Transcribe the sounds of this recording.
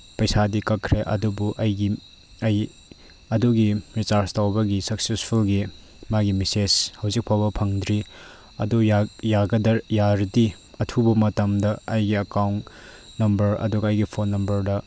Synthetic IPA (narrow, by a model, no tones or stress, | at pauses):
pɐjsadikɐkʰɾeʔɐ̰dubuʔɐjɡi | ɐj | ɐduɡiɾit͡ʃaɾstawbɐɡisɐksespʰulɡi | maɡimiseshɐwzik̚pʰawbɐpʰɐŋdɾi | ɐ̰dujjaɡɐdɐɾjaɾdi | ɐtʰubɐmɐtɐmdɐɐjɡiɐkawn | nɐmbɐɾɐ̰duɡɐɐjɡipʰonːɐmbɐɾdɐ